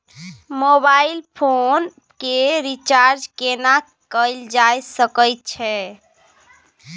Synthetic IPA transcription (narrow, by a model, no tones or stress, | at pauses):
mobailpʰon | keɾit͡ʃaɾd͡ʒkena | kəɪld͡ʒajsəkəjt̪̚t͡ʃʰɛ